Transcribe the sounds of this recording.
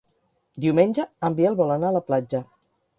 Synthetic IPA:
d̪iwmenʲd͡ʒəəmbieəlˠβɔlənaləplad͡ʒə

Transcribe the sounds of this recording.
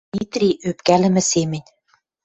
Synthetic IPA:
it̪rʲiʔøpkælɘ̆mɘ̆semɘ̆nʲ

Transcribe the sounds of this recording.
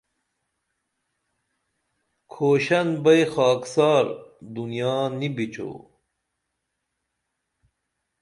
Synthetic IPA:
kʰoːɕɐnbɐjxɑːksaːɾd̪unijaːnibit͡ɕo̰ː

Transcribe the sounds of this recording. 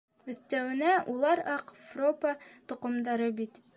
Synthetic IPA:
ɵ̆θt̪æwɘ̆næʔulˠɑɾɑqfropət̪ŏqŏmd̪ɑɾɤbit̪

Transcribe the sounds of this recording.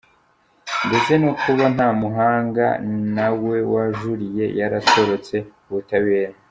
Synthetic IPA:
ndeze̞nokʰuβan̥haːmuɦaːŋɡa̰nawe̞waʒuɾije̞̰jaɾato̞ɾo̞t͡se̞uβutaβe̞ːɾa

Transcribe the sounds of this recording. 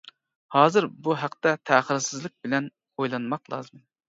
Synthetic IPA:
hɑːzɨɾbuɦæqt̪ɛt̪ʰæχəɾsɪzlˠɪk̚ʲbɪlɛn | ojlˠɑnmɑqlˠɑ̰ːzɨm

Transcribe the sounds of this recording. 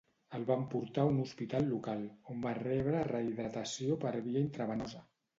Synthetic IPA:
əlˠβampuɾt̪aunuspit̪alˠːukalˠombarɛβ̞ɾərəiðɾat̪əsiopəɾβiaint̪ɾəβənɔzə

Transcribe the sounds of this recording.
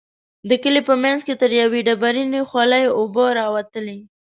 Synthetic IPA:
d̪əkəlepəmjanzket̪əɾjaweɖabaɾinexwɑləjʊboɾɑwat̪əle

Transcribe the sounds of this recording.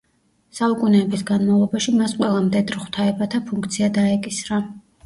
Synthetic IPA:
saukʼunɛːbisɡanmavlˠɔbaʃimasqʼwɛlˠamd̪ɛd̪ɾχt̪ʰaɛbat̪ʰapʰuŋkʰt̪sʰiad̪aɛkʼisɾa

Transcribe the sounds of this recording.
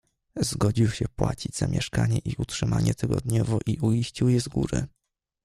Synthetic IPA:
zɡɔd͡ʑiwɕɛpwat͡ɕid͡ʑz̥amʲjɛʂkaɲɛʔiʔutʂɘmaɲɛt̪ɘɡɔd̪ɲɔvɔʔiʔuiɕt͡ɕiwjɛzɡuɾɘ̰

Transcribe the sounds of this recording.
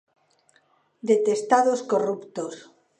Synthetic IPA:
d̪e̞t̪e̞st̪aðoskorupt̪os

